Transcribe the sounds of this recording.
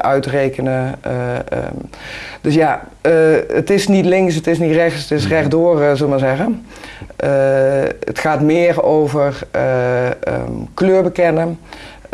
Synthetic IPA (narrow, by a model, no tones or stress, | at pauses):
œɥtrejkənə̰ | d̥øsja | ə̰tɪsnitlɪŋsətɪs̬nitrɛxtsətɪsrɛχdoːrzələmanzɛɣən | ʔə | ə̰txaːtmɪːərowvərə̰ | kløːɹbəkɛnə